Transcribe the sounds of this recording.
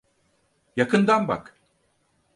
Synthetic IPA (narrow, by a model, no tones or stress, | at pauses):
jakʰɯnd̪anba̰k